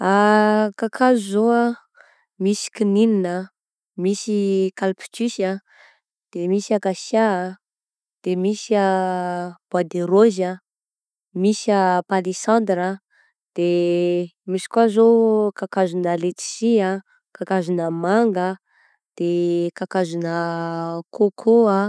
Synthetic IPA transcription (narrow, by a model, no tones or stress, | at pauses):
akakʰazuzoa | misi̥kinininə | misikalpi̥t͡ʃysa | d̪̥emisiakasja | d̪̥emisia | b̥ad̪eɾozə | misəpalisãnd̪ɾə | d̪̥e | misi̥kwazokakazunəlet͡si̥sia | kakazunəmaŋɡə | d̪̥ekakazunəkʰokʰoa